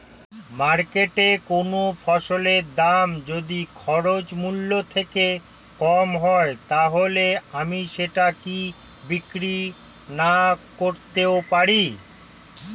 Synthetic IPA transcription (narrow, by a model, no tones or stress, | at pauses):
maɾkeʈekonofʰɔʃoleɾd̪amd͡ʑod̪ikʰɔɾot͡ɕmulːot̪ʰeke | kɔmɦɔet̪aɦoleamiʃeʈaki | bikɾi | nakoɾt̪eopaɾi